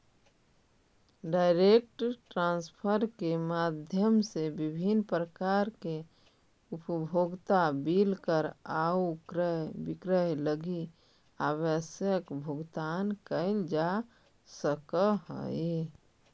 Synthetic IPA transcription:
ɖaɪɾek̚ʈʈɾãnspʰəɾkemad̪ʱjəmsebibʱinpɾəkaɾke | upbʱoɡt̪abilkəɾaukɾəɦbikɾəɦləɡi | abəsjəkbʱʊɡt̪ankəɪld͡ʒa | səkəɦə̰i

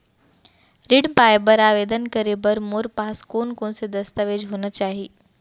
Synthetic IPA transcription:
ɾɪɽpaːjbəɾaːʋeːd̪ənkɐɾebɐɾmoːɾpaːskoːnkõːnsed̪ɐst̪əʋeːd͡ʒʱɦoːnət͡ʃaːɦiː

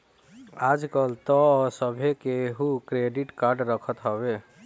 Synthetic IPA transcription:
aːd͡ʒkəlt̪ɔɔːsəbʱekeɦukɾeːɖɪʈkaːɾɖɾəkʰət̪ɦəbeː

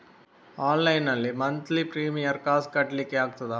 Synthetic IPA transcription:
aːnlɐɪnɐlːimɐnt̪lipɾiːmijɐɾkaːskɐʈːlikːeaːɡ̚t̪ɐða

